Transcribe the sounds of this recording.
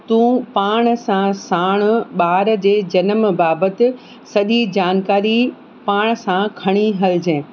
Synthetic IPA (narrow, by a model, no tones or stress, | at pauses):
t̪ũːpaːɽ̃sãsaːɽ̃ʊ̆ɓaːɾd͡ʑeːd͡ʑɐnəmbaːbət̪ɪ̆ | sɐʄid͡ʑaːnkaːɾi | paːɽ̃sãkʰɐɽ̃iɦɐld͡ʑẽː